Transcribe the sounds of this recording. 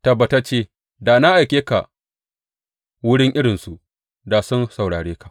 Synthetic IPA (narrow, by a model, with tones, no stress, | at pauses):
ta˨ba˨ta˦t͡ʃeː˦˨ | daː˨na˦ʔa˨jkʲeː˦ka̰˨ʔ | wʊ˦ɽɪ˦ŋʔɪ˦ɽɪ˨nsu˨ʔ | da˨sʊ˦nsa˨wɽaː˨ɽeː˦ka˨ʔ